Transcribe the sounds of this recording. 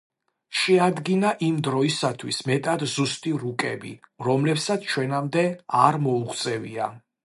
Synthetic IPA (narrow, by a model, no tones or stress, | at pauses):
ʃɛad̪ɡinaʔimd̪ɾɔisat̪ʰwismɛt̪ʼad̪zust̪ʼiɾukʼɛ̰bḭɾɔmlɛpsat̪sʰt͡ʃʰwɛnamd̪ɛaɾmɔuχt̪sʼɛvḭa